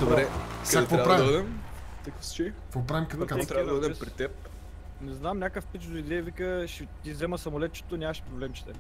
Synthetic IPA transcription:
d̪obɾɛkakkvapːɾavd̪iəd̪ɛmt̪ɐkəfst͡ʃɛ | vopɾavimkɐt̪at̪ɾaəd̪ɛpɾit̪ɛp̚ | nɛznamnʲakəfpit̪t͡ʃzʊid̪ɛəvikəʃɛt̪izɛmɐsɐmolɛt̪̚t͡ʃɛ̥t̪onʲaɐʃpɾoblɛmt͡ʃɛ̥t̪ɛ

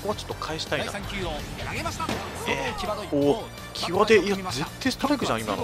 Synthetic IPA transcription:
koβat͡ɕo̞̥t̪ːokʰaeɕi̥t̪aina̰ | eoː | kʲʰiβad̪e̞iaze̞t̪ːeːst̪oɾakɯ̟ʑã̰ima̰n

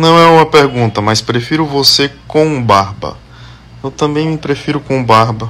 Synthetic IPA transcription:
nɐ̃w̃ɛũmɐpeɾɡũnt̪ɐmɐspɾefiɾʊvosekõw̃baɾbɐ̰ | ewt̪ɐ̃mbẽj̃mpɾefiɾʊkõbaɾbɐ

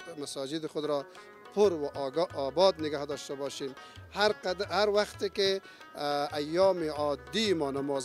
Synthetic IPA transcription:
masɑːd͡ʒɪd̪ɪxʊd̪ɾɔ | pʰʊɾwaʔːbɑd̪nɪɡahd̪ɔʃt̪abɑʃimhaɾqad̪haɾwaxt̪eke | ajːɑːmeʕɔd̪imɔːnamɔːz

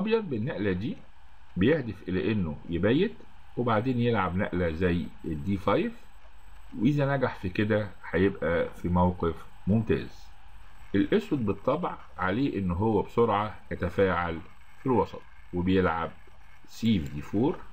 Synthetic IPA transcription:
ʔɑbjɑd̪̚ˤbenːæʔlæd̪iː | bejehd̪efʔelæʔenːojebæjːet̪ | webaʕd̪eːnjelʕabnæ̰ʔlæzæjːʔed̪ːiːfɑjf | weʔizænæɡaħfiked̪æ | ħæjebʔæfimæwqef | momt̪æ̰ːz̥ | ʔelʔeswæd̪̚bet̪ˤːɑbʕ | ʕaleːʔenːɦowːæbsoɾʕɑjæt̪æfæːʕal | filwɑsˤɑ̰t̪̚ˤ | webejelʕa̰b̚ | siːvd̪iːfoːɾ

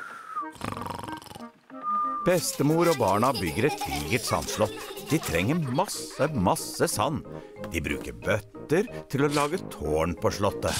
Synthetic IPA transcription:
b̥ɛst̪əmuːɾoːbɑːɳɑbʏɡəɾɛt̪ʋiɡəʈ̪sɑ̰nʃlɔt̪d̪̥iːt̪ʰɾɛŋəmɑsəmɑsəsɑn | d̪̥iːbɾʉ̰ːkəɾbœt̪əɾt̪ʰɪloːlɑːɡət̪ʰoːɳpʰoːʃɭɔt̪ə

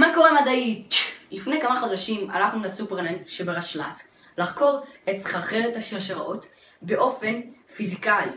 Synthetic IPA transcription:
mako̞ʁemad̪ait͡ʃlifnejkamaχodaʃima̰laχnulasupeʁlanʃebeʁaʃla̰t | laχko̞ʁetsχaχeʁethaʃeʃeʁaʔo̞t | be̞ʔo̞fe̞nfizikaḭ

